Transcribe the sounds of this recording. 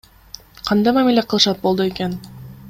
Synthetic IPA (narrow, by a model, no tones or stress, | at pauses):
qʰɑnd̪ɑjmamileqʰɯlˠɯʃɑt̪̚bo̞lˠd̪ueken